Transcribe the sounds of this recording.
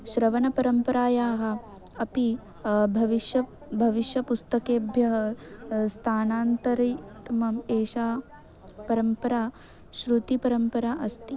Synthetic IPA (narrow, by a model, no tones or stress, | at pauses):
ʃɾɐʋɐnɐpɐɾɐmpɐɾaːjaːɦɐ̆ | ɐpi | bʱɐʋiʃjɐ | bʱɐʋiʃjɐpust̪ɐkeːbʱjɐɦɐst̪ʰaːnaːnt̪ɐɾit̪mɐmeːʃaː | pɐɾɐmpɐɾaː | ʃɾut̪ipɐɾɐmpɐɾaːʔɐst̪i